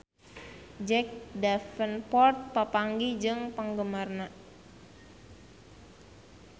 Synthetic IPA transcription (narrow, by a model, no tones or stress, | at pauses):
d͡ʒɛk̚dafənpɔrt̪̚pəpaŋɡid͡ʒɨŋpəŋɡəmarna